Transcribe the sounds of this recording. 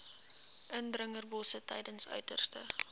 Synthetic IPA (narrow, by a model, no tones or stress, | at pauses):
ʔəndrəŋərbɔsətɛ̰jdənsœ̰ɥtərstə